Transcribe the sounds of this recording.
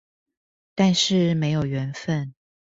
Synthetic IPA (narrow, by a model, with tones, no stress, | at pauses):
t̪a˥˧nʂɻ̩˥˩me˧˥ɪjo˨˩ʊɥɛ˧˥nfə˥˨n